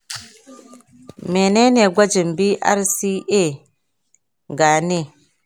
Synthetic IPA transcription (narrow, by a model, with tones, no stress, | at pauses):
me˨ne˦ne˨ɡʷa˦d͡ʒi˨mbi˦ʔa̰˦ɾsi˦ʔe˦˨ | ɡa˨ne˦˨